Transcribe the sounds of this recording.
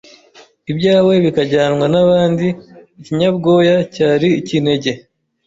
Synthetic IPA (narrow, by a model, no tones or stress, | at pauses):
ibɟaːwe̞βikaɟaːnwanaβaːndiːciɲabɡo̞ːjacaːɾicine̞ɟe